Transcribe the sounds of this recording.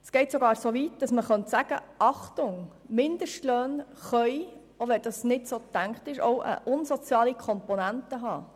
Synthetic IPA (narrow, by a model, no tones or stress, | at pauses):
sɡ̥ɛɪtsoɡɑːɾsoːʋitd̥ɑsməχœntsæɡ̥ə̰ʔɑχtʊŋmɪnd̥̪əʃtløːnχœʏ | oʋɛd̥ɑsnɪtsoːt̪æŋkχtɪʃo̰ʊʔə̰ʔʊnsɔt͡sjɑːlikʰɔmpɔnæntəɦɑː